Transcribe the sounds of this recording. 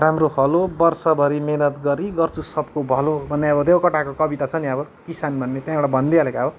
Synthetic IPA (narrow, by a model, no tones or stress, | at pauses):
ramrohʌlobʌrsʌbʱʌɾimenʌt̪ɡʌɾiɡʌrt͡susʌbkobʱʌlobʱʌnːeʌbʌd̪ewkʌʈakokʌbit̪at͡sʰʌniʌbʌ | kisanbʱʌnːet̪jãeɽabʱʌnd̪iɦalekaʌbʌ